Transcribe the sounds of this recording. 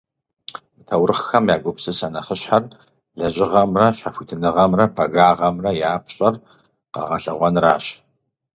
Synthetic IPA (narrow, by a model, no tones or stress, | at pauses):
mɨtʰɐwrɨχxɐmjaːɡʷʊpsɨsɐnɐχəɕħar | ɮɐʑʼɪʁɐmrɐɕafʷitʰɨnɨʁɐmrɐbɐɣaːʁɐmrɐjaːpɕʼɐr | qɐ̰ʁɐ̰ɬɐ̰ʁʷɔnra̰ːɕ